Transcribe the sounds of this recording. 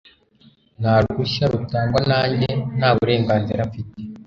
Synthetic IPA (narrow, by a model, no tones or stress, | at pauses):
n̥haɾuɡuʃaɾutaːŋɡwanaːɲɟe̞naːβuɾe̞ːŋɡaːnziɾaɱfite